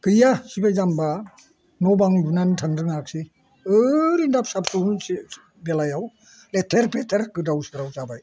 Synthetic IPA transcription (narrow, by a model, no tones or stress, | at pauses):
kɯjasibajzamba | nɔbaŋlubnantʰaŋdɯŋak̚si | ɯɾindap̚sap̚suns | belajaw | letʰeɾpetʰeɾkɯdawsikɾawsabaj